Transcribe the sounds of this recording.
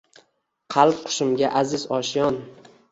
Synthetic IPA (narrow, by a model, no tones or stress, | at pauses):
qʰɑlˠp̚qʰʊ̥ʃɪmɡʲaʔazɪzɒʃjɒn